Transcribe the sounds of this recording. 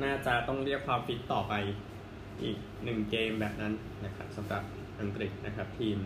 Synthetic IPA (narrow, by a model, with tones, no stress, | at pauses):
naː˥˩t͡ɕaː˧t̪ɔ˥˩ŋɾi˥˩ək̚ʰaː˧mpʰi˦˥t̪ːɔː˨˩pa˧j | ʔḭː˨˩k̚nɯ˨˩ŋkeː˧mbɛː˨˩p̚na˦˥n | na˦˥kʰa˦˥p̚sa˩˦mɾa˨˩p̚ | ʔa˧ŋkɾi˨˩t̪̚na˦˥kʰɾa˦˥p̚t̪ʰiː˧m